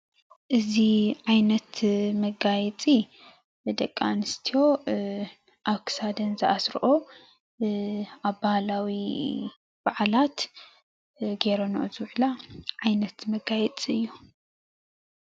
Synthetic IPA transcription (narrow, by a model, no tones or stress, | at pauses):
ʔɨziʕajnɐt̪mɐɡajɛt͡sʼi | d̪ɐkʼːanɨst̪ʰijo̞ | ʔaβkʰɨ̥sad̪ɐnzɨʔasɾʔo | aβbahalawi | b̥aʕalat̪ | ɡeɾonoʔozɨwʕlaʕajnɐt̪mɐɡajɛt͡sʼiɨjːu